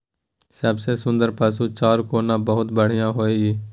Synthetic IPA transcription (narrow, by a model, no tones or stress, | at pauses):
səbseːsʊ̃nd̪əɾpəːsuːt͡ʃaːɾkoːnãːbəɦʊt̪bəɽ̤ɪjãːɦoːeɡiː